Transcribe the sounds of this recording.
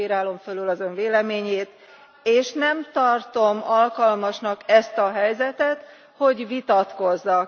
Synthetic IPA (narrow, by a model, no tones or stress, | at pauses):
iɾaːlo̞ɱfølylɒzø̞ɱveːlɛmeːɲeːt̪ | eːʃnɛmt̪ɒrt̪o̞mɒlkɒlmɒʃnɒkɛst̪ɒɦɛjzɛt̪ɛt̪ | ho̞ɟʋit̪ɒt̪ko̞zːɒk